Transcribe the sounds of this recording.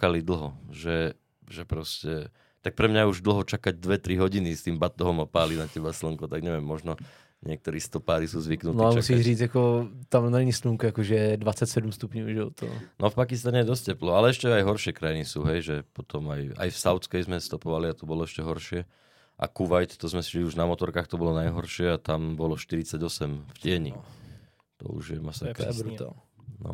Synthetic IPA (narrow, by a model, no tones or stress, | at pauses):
akalid̪l̩ˠɦɔʒɛ | ʒɛpɾɔscɛ | t̪ak̚pɾɛmɲauʒd̪l̩ɦɔt͡ʃakaɟ̚d̪ʋɛt̪ɾiɦɔɟinist̪iːmbat̪ɔɦɔmapaːlinacɛbaslŋkɔt̪aɡɲɛʋɛmːɔʒnɔ | ɲɪɛk̚t̪ɔɾiːst̪ɔpaːɾisuːzʋiknutnɔiamusiːɾiːd͡zakɔt̪amnaɲisluŋkuakɔʒɛd̪ʋat͡sːacsɛd̪umst̪upɲɔʊʒɛɔt̪ɔ̰nɔfpakist̪aɲɛjɛd̪ɔscɛplɔalɛɛʃcɛajɦɔɾʃɪɛkɾajinisuːɦɛjʒɛpɔt̪ɔmaja̰jfsaʊt͡skɛjzmɛst̪ɔpɔʋaliat̪ɔbɔlɔɛʃcɛɦɔɾʃɪɛ | ʔa̰kuʋajt̪t̪ɔzmɛsi̥ʒliuʒnamɔt̪ɔɾkaːxt̪ɔbɔlɔnajɦɔɾʃɪɛat̪ambɔlɔʃt̪iɾit͡saɟɔsɛmfcɪɛɲḭ | t̪ɔ̰ṵʒjɛmasɔkɾut̪a̰l | nɔ̰